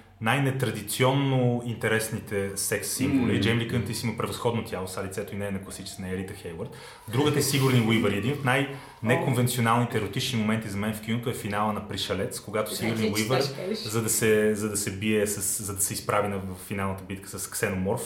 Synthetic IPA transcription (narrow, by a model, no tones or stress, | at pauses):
najnɛt̪ɾɐd̪it̪siɔnːoint̪ɛɾɛsnit̪ɛsɛksːimvolid͡ʒɛmblikənt̪isimɐpɾɛvɐsxɔd̪not̪ʲjalˠosalit̪sɛt̪oinɛːnɐklˠɐsit͡ʃ̪ɛnɐɛɾit̪əxɛjwəɾt̪ | d̪ɾuɡət̪ɛsiɡʊɾniwivəɾiɛd̪inot̪naj | nɛkonvɛnt̪sionalˠnit̪ɛːɾot̪it͡ʃnimomɛnt̪izɐmɛnfk̟inot̪oɛfinalˠənɐpɾiʃɐlɛt̪skoɡat̪osiɡʊɾniwivəɾzɐd̪ɐsɛzɐd̪ɐsɛbiɛsɐszɐd̪ɐsɛispɾavinɐvfːinalˠnət̪əbit̪kə̥sɐsksɛnomɔɾf